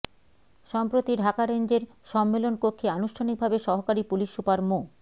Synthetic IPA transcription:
ʃɔmpɾot̪iɖʱakaɾend͡ʑeɾ | ʃɔmːelonkokʰːeanuʃʈʰanik̚bʱabeʃɔɦokaɾipuliʃupaɾmo

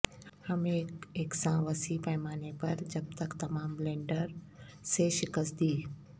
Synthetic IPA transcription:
hɐmeːeːksãʋɐsipaːɪmaːnepɐɾd͡ʒɐb̚t̪ɐkt̪ɐmaːmlẽːɳɖəɾseʃɪkəsd̪iː

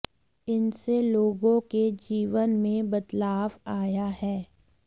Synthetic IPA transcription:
ɪnseloːɡõked͡ʒiːʋənmẽbɐt̪laːʋaːjaɦɛː

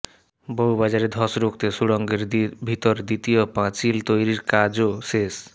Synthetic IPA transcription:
boɦubad͡ʑaɾed̪ʱɔsɾok̚t̪esuɽɔŋɡeɾbʱit̪oɾd̪it̪ijopãt͡ɕilt̪ojɾiɾkad͡ʑoʃes

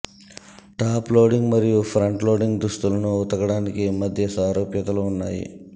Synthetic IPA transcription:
ʈaːploːɖiŋɡmɐɾijupʰɾɐɳʈlo̞ːɖiŋɡd̪ɾust̪ulɐnuːt̪ɐɡɐɽaːnikimɐd̪ʱjɐsaːɾoːpjɐt̪ɐluːnːa̰ːjḭ

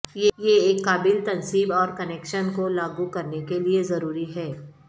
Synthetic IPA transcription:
jejeeːkːaːbɪlt̪ɐnsiːbɔːɾkɐnɛːkʃənkolaːɡukɐɾnekeliezɐɾuːɾiɦɛː

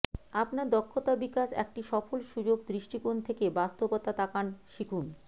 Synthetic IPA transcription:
apnaɾd̪ɔkʰːot̪abikaʃɛ̰k̚ʈiʃɔfolʃud͡ʑoɡ̚d̪ɾiʃʈikont̪ʰekebast̪obot̪at̪akanʃikʰun

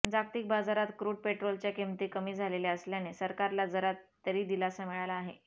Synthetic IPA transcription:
d͡zakt̪iːk̚bad͡zaɾat̪kɾuːɖ̚peʈɾolt͡ɕjakemt̪iːkəmiːd͡zʱaleleəsljanesəɾkaɾlad͡zəɾat̪ːəɾiːd̪ilasamiɭalaːɦḛ

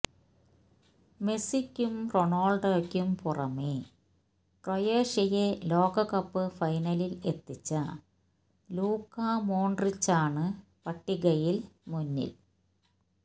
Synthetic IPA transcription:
me̞sikʲːumroɳoːɭɖɐkʲːumpurɐ̰meː | ʈrojeːʂɐjelo̞ːɡɐkɐpːɨfɐjnɐlile̞t̪ːit͡ɕːɐ | luːkːamoːɳɖrit͡ɕːaːɳɨ | pɐʈːiɣɐjilmunːḭl

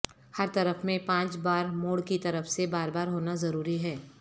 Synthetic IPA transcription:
hɐɾt̪ɐɾəfmẽpãːt͡ʃbaːɾmoːɽkit̪ɐɾəfsebaːɾbaːɾɦoːnazɐɾuːɾiɦɛː

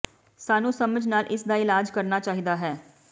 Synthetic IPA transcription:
saːnũːsəməd͡ʒnaːlʔɪsd̪aːɪlaːd͡ʒkəɾnaːt͡ʃaːɦid̪aːɦɛː

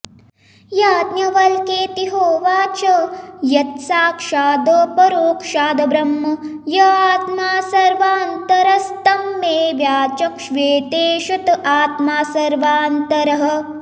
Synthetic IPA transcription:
jaːt̪njɐʋɐlkeːt̪iɦoːʋaːt͡ʃɐjɐt̪̚saːkʂaːd̪ɐpɐɾoːkʂaːd̪ɐbɾɐmːɐjɐaːt̪maːsɐɾʋaːnt̪ɐɾɐst̪ɐmːeːʋjaːt͡ʃɐkʃʋeːt̪eːʃɐt̪aːt̪maːsɐɾʋaːnt̪ɐɾɐɦɐ̆

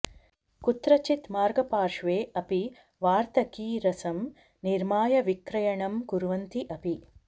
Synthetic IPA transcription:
kut̪ɾɐt͡ʃit̪maːɾɡɐpaːɾʂʋeːɐpi | ʋaːɾt̪ɐkiːɾɐsɐm | niɾmaːjɐʋikɾɐjɐɳɐmɡuɾʋɐnt̪iʔɐpi

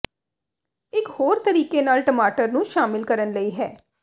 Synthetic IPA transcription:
ɪkhoːɾt̪əɾiːkenaːlʈəmaːʈəɾnũːʃaːmɪlkəɾənləiːɦɛː

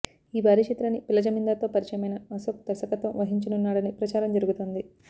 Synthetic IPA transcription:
iːbaːɾiʃit̪ɾɐnipilɐd͡ʒɐmind̪at̪oːpɐɾit͡ʃɐjɐmɐjnɐɐsok̚d̪̥ɐsɐkɐt̪oʋɐɦiɲt͡ʃɐnunːaːɽɐnipɾɐt͡ʃaːɾɐmd͡ʒɐɾuɡut̪oːnd̪i

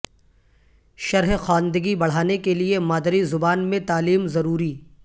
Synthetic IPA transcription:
ʃɐɾɦxaːnd̪əɡibɐɽ̤aːnekeliemaːd̪ɾizʊbaːnmẽt̪aːliːmzɐɾuːɾiː

